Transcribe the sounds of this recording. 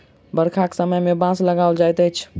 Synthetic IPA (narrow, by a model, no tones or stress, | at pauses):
bəɾkʰaksəməjmebãsləɡald͡ʒajt̪ət͡ʃʰ